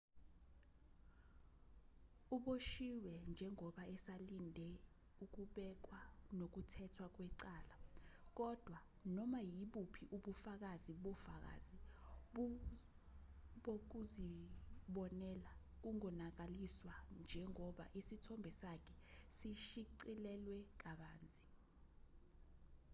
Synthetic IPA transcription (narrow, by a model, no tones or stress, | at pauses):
uɓoʃiwɛnd͡ʒʱɛŋɔɓaɛsalindʱɛ | uk̬uɓɛk̬wanok̬utʰɛtʰwak̬wɛǀaːlak̬ɔd̥ʱwa | nɔmajiɓupʰiʔuɓufak̬aziɓɔfak̬a̰ziɓ | ɓok̬uziɓɔnɛla | k̬uŋɔnak̬aliswand͡ʒʱɛŋɔɓa̰ʔisitʰɔmbʱɛsakʰɛsiʃiǀilɛlwɛk̬aɓaːnd͡zʱi